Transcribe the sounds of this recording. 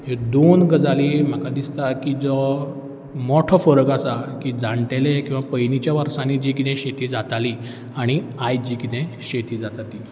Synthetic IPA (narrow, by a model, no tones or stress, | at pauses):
ɦed̪onɡəd͡zalim̤akad̪ist̪akiːd͡zɔ | mɔʈʰəfəɾəkasakid͡zãɳʈelekĩw̃ʋapəjnit͡ɕjaʋaɾsãnid͡ʑik̬it̪ʰẽɕet̪ʰiːd͡zat̪ali | aɽ̃iajd͡ʑiːkit̪ʰẽɕet̪ʰiːd͡zat̪at̪i